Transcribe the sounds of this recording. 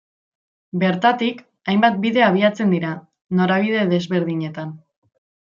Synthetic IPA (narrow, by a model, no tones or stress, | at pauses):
be̞ɾt̪at̪ik | ajmbat̪̚biðe̞aβ̞iat͡se̞nd̪iɾa | no̞ɾaβ̞ið̞e̞ðe̞zβe̞ɾð̞iɲe̞t̪an